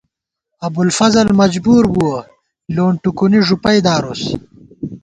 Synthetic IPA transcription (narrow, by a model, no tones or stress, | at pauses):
ɐbulfɐzɐlmɐd͡ʑbuːɾbuo | loːɳʈukuniʐupɐjd̪aːɾos